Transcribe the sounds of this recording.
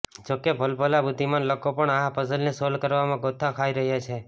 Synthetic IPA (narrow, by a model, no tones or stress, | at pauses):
d͡ʒokebʱəlbʱəlabud̪ʱːimanlokopəɳaɦãpəzəlnesolkəɾʋamãɡot̪ʰːakʰaiɾəɦjat͡ʃʰe